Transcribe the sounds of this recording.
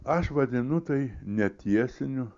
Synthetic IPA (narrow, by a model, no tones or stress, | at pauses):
ɐʃʋɐd̪ʲɪnʊt̪ɐɪnʲɛt̪ʲiɛsʲɪnʲʊ